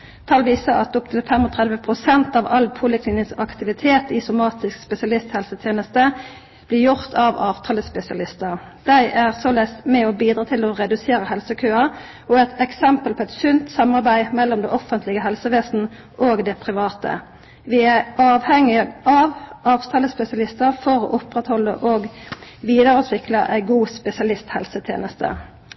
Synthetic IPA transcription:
t̪ʰɑlʋiːsəɑt̪ɔpt̪ʰɪlfɛmɔt̪ʰʁæd̪ʋəpʰʁʊsɛnt̪ɑːʋɑlpʰuːləkʰlɪːnɪnsɑkt̪ɪʋɪt̪ʰeːt̪ɪsʊmɑːt̪ɪskspɛsɪɑlɪst̪hɛlsət̪ʰjeːnəst̪ə | b̥lɪɾjʊʁt̪ʰɑːʋɑːʋt̪ʰɑːləspɛsɪɑlɪst̪əʁ | d̪̥æɪʔæʁsɔlɛsmɛɔbiːd̪ɾʁɑːt̪ʰɪlɔʁɛd̪ʉseːɾəhɛlsəkʰøːɑ | ɔɛt̪ʰɛksɛmpəlpʰɔɛt̪sʉnt̪sɑmɑʁbæɪmɛlːɔmd̪ɛɔfːənt̪lɪɡəɦɛlsəʋeːsn̩ | ʔoːɡd̪ɛpʰʁɪʋɑːt̪ʰə̰ | ʋɪæɑːʋhɛŋːɪʔɑʋɑːʋt̪ʰɑːləspɛsɪɑlɪst̪əʁfɔʁo̰ːʔɔpːʁɛt̪hɔlːə̰ʔoːɡʋiːd̪ɑʁʉːt̪ʰʋɪkləʔæ̰ɪɡuːspɛsɪɑlɪst̪hɛlsət̪ʰjḛːnəst̪ə̰

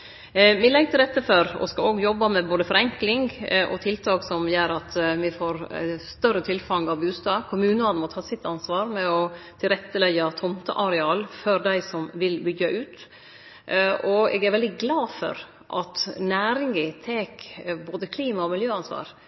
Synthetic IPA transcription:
mɪlɛɡt̪ɪlɾɛt̪ːəføɾɔ̰skɑoːɡjɔbːɑmɛboːd̪əfɔɾɛŋklɪŋɡʔɔ̰t̪ʰɪlt̪ʰɑːksɔmjøːɾɑt̪mɪfoːɾst̪œɾət̪ʰɪlfɑŋːɑʋbʉːst̪ɑːkʰʊmʉːnəɑnmɔt̪ʰɑːsɪt̪ːɑnsʋɑːɾmɛɔt̪ʰɪlɾɛt̪ːəlɛɡːɑt̪ʰɔmt̪ə̰ʔɑɾɛɑːlfɔɾd̪æɪsɔmʋɪlbʏɡːɑʔʉːt̪ | ʔɔɛ̰ɡæɾʋɛld̪ɪɡlɑːfɔ̰ɾ | ʔɑt̪næːɾɪŋɡɪt̪ʰeːkboːd̪əkʰliːmɑɔmɪljøːɑnsʋɑ̰ːɾ

